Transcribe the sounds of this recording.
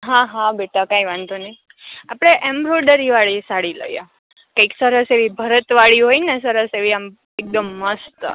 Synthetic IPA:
ɦãɦãbeʈakaiʋãnt̪onəi | apɽ̃eʔembɾoɖəɾiʋaɭisaɭilə̰ja̰ | kəiksəɾəseʋibʱəɾət̪ʋaɭiɦojnes̬əɾəseʋiam | ek̚d̪əmːəst̪ə

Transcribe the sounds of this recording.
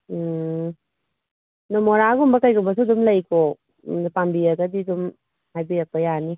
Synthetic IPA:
nɔmɔɾaɡumbɐkajɡumbɐs̬udumlajkʰɔ | pambiaɡɐdidum | hajbiɾapɐjani

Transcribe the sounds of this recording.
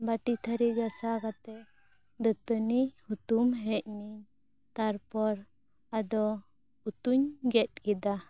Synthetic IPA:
baʈit̪ʰaɾiɡasakat̪ɛ | d̪ət̪ənihut̪umɦɛc̚ni | t̪aɾpɔɾ | ad̪ɔ | ut̪uɲɡɛt̪̚kɛd̪a

